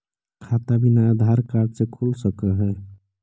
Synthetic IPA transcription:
kʰat̪abinaːd̪ʱaɾkaɾɖsekʰulsəkəɦɛ

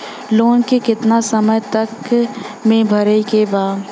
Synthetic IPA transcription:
loːnkekɪt̪nasɐməjt̪ɐk | mẽbʱɐɾəikebaːd

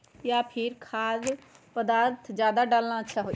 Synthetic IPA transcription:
jaːpʰɪɾkʰaːzpəd̪aːɾt̪ʰd͡ʒjaːd̪aːɖaːlnãətːʃʰaːɦoːi

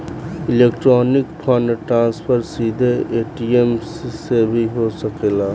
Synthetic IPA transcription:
ɪleːkʈɾoːnɪkpʰɔnʈɾãːnspʰəɾsiːd̪ʱeeːʈiemssebʱiɦosəkelaː

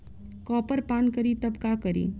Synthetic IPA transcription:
kɔːpəɾpaːnkɐɾit̪ɐbkakɐɾḭː

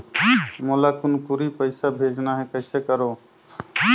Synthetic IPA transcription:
molakunpuɾipəɪsabʱed͡ʒnaɦɛkəɪsekəɾo

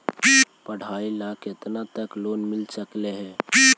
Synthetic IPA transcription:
pəɽ̤ailakʰet̪nat̪əklonmɪlsəkleɦɛ̃

